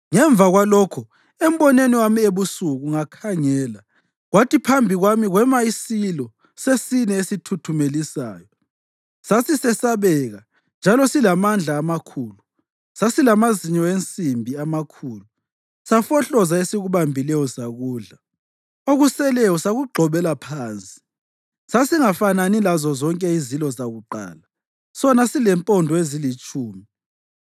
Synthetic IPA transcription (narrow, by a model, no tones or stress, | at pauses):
ŋɛɱb̪vaɣwalɔkʰɔ | ɛm̩bɔneniwamieβusuɣuŋakʰaŋɛːla | ɣwatʰipʰambʱiɣwamiɣwɛmaisilɔ | sesinɛesitʰutʰumelisa̰ːjɔ | sasisɛsaβɛɣa | nd͡ʒʱalɔsilamand͡ɮʱaːmakʰuːlu | sasilamaziɲɔent͡sʼimbʱiamakʰuːlu | safɔɬɔzaesiɣuβambʱilɛjɔsaɣuːɮa | oɣusɛlɛjɔsaɣuɡ͡ǃʱɔβɛlapʰaːnt͡sʼi̥ | sasiŋafananilazɔzɔŋkʼɛizilɔzaɣuǃa̰ːla | sɔnasilɛmpʼɔndʱɔezilit͡ʃʼuːmi